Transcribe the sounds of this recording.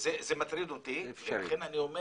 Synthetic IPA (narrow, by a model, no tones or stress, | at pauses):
zezemat̪ɾid̪ot̪iveaχenaniome